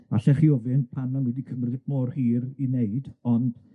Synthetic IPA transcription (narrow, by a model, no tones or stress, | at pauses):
aɬɛχiːɔvɪnpʰanɔnwɛdikʰəmrðɪkmɔːrhiːrineɨdɔnd̥